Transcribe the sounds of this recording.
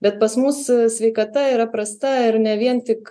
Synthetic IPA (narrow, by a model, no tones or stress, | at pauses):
bʲɛt̪̚pɐsmusssʲʋʲɛɪkɐt̪ɐiːɾɐpɾɐst̪ɐɪɾnʲɛʋʲiɛnt̪ʲɪk